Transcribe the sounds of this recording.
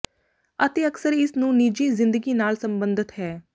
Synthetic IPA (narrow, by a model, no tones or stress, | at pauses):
ət̪eːəksəɾɪsnũːniːd͡ʒiːzɪ̃nd̪əɡiːnaːlsəmbənd̪ɪt̪ɦɛː